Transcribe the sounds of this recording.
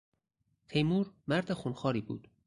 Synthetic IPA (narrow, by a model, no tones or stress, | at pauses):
t̪ʰejmuːɾmæɾd̪exunxɒːɾiːbṵːd̪̥